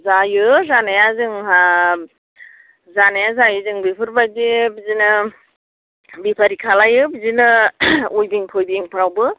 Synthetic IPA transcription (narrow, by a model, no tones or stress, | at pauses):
zajɯzanajazɯŋha | zanajazajɯzɯŋbipʰɯɾbadibizinɯ | bipʰaɾikʰalajɯbizinɯojdiŋpʰojdiŋpʰɾawbɯ